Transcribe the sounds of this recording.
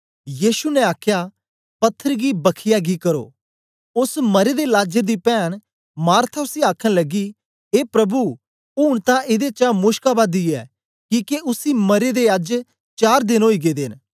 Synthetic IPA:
jiːʃunɛaːkʰjaː | pɐt̪ʰːəɾɡiːbəkʰɪjaːɡikəɾo̰ː | ʊsməɾed̪elaːd͡ʒəɾd̪iːpɛːɽ̃ | maːɾt̪ʰaʊsiaːkʰəñləɡiː | eːpɾəbu | uːɽ̃t̪ãʔɪd̪et͡ʃãːmʊʃkabaːd̪iɛ̰ː | kiːkeʔʊsiːməɾed̪eəd͡ʒ | t͡ʃaːɾd̪ɪnoːiɡeːd̪eːn

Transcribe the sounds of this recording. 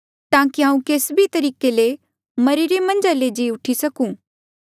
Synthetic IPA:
t̪ãːkiɦãːũkeːsbʱit̪ɐɾiːkele | mɐɾiɾemɐ̃nd͡ʒaled͡ʒiʊʈʰisɐkũ

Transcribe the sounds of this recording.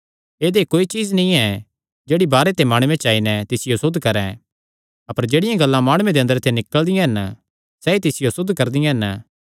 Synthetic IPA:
eːd̪ekoːit͡ʃiːznĩɛ | d͡ʒeːɽibaːɾet̪emaːɽ̃ʊwẽt͡ʃaːinɛt̪ɪsɪjosʊd̪ʱːkɐɾɛ̃ | ɐpəɾd͡ʒeːɽɪjãɡɐlːãmaːɽ̃ʊẽd̪eɐ̃nd̪əɾt̪ʰenɪkəld̪ɪjãɦɐn | sɛit̪ɪsɪjosʊd̪ʱːkɐɾd̪ɪjãɦɛn

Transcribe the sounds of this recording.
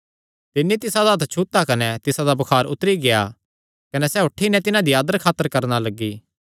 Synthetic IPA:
t̪ɪnːit̪ɪsad̪aɦɐt̪ʰt͡ʃʰuːt̪ːakɐnɛt̪ɪsad̪abɐkʰaːɾʊt̪ɾiɡeja̰ | kɐnɛsɛːɦʊʈʰːinɛt̪ɪnãd̪iaːd̪əɾkʰaːt̪ːəɾkɐɾnalɐɡːiː

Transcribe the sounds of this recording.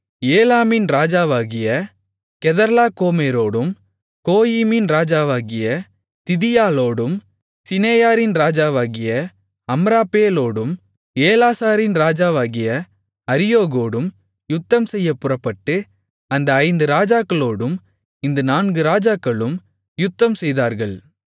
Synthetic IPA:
eːlaːmɪnɾaːd͡ʒaːʋaːɣɪjɐ | kɛðɐɾlaːkoːmeːɾoːɽɯm | koːjiːmɪnɾaːd͡ʒaːʋaːɣɪjɐ | t̪ɪðɪjaːloːɽɯm | sɪneːjaːɾɪnɾaːd͡ʒaːʋaːɣɪjɐ | ɐmɾaːpːeːloːɽɯm | eːlaːsaːɾɪnɾaːd͡ʒaːʋaːɣɪjɐ | ɐɾɪjoːɣoːɽɯm | jʊt̪ːɐmsɛjːɐpːʊrɐpːɐʈːɯ | ɐnd̪ɐːɪnd̪ɯɾaːd͡ʒaːkːɐɭoːɽɯm | ɪnd̪ɯnaːnɡɯɾaːd͡ʒaːkːɐɭɯm | jʊt̪ːɐmsɛjðaːɾɣɐɭ

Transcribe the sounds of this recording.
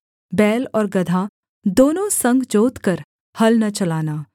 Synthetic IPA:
bɛːlɔːɾɡɐd̪ʱa | d̪oːnõsɐ̃ŋɡd͡ʒoːt̪kɐɾ | hɐlnɐt͡ʃɐlaːnaː

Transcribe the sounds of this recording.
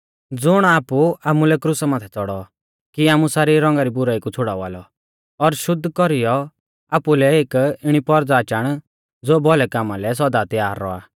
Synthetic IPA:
d͡zʊɽ̃aːpuaːmulɛkɾʊsamãːt̪ʰɛt͡sɔɽɔ | kiaːmusaːɾiɾɔ̃ŋɡaɾibʊɾaːikut͡sʰʊɽaːʋa̰ːlɔ | ɔɾʃʊd̪ʱːkɔɾijɔ | aːpulɛeːkɪɽ̃ipɔɾd͡zaːt͡ʃaːɽ̃ | d͡zoːbɔlɛkaːmalɛs̬ɔd̪at̪ɪjaːɾːɔ̰a̰ː

